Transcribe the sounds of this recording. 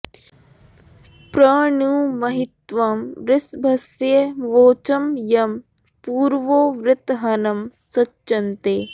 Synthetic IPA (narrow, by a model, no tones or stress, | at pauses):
pɾɐːɳuːmɐɦɪt̪ʋɐmɾɪsbʱɐsjeʋoːt͡ʃɐmjɐm | puːɾʋoːʋɾɪt̪ɦɐnɐmsɐtt͡ʃːʃɐnt̪eː